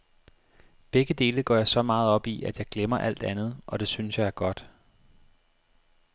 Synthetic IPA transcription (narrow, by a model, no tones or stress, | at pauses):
b̥eɡ̥əd̥e̝ːləɡ̥ɒ̰jɑ̈sɒ̽mɑ̈ːð̩ˠɒ̽b̥iæ̥jɑ̈ɪɡ̥lemɐʔæl̰d̥ænð̞̩ˠʔɒ̽d̥e̝synəsjɑ̈ɪæɐɡ̥ɒ̽d̥